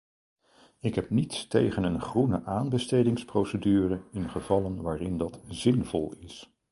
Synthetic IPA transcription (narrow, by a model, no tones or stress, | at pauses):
ɪkɦɛp̚nitstejχənənχrunə̰ʔaːnbəstejdɪŋsprowsədyːrəɪnχəvɑlənʋaːrɪndɑtz̥ɪnvɔlˠɪs